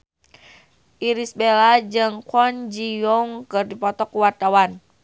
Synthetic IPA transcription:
ʔiɾisbelad͡ʒɨŋkɔnd͡ʒijɔŋkɨrdipɔt̪ɔkuwart̪awan

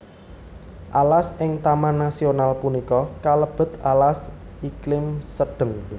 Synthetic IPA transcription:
ʔalasɪŋt̪amanːasionalpunikɔkaləb̥ə̤t̪alas | iklɪmsəɖ̥ə̤ŋ

